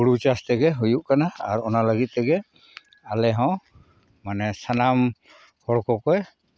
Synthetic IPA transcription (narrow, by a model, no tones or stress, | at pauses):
uɽut͡ʃast̪ɛɡɛɦujuʔkanaa̰ɾɔnaləɡit̪̚ːɛɡɛ | alɛɦɔ̃w | manɛsanam | hɔɽkɔkɔj